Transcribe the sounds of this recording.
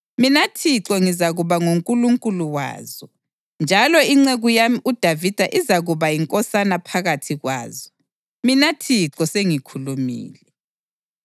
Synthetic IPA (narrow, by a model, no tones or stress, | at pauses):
minatʰiǁɔŋizaɣuβaŋuŋkʼuluŋkʼuluwa̰ːzɔ | nd͡ʒʱalɔiŋ͡ǀeɣujamiud̥ʱavid̥ʱaʔizaɣuβajiŋkʼɔsanapʰaɣatʰiɣwa̰ːzɔ | minatʰiǁɔseŋikʰulumḭːlɛ